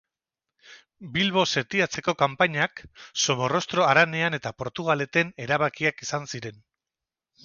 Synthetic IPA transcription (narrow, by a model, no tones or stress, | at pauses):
bilβo̞se̞t̪iat͡se̞ko̞kampaɲakso̞mo̞ro̞st̪ɾo̞aɾane̞ane̞t̪apo̞ɾt̪uɣ̞ale̞t̪e̞ne̞ɾaβakiakisansiɾe̞n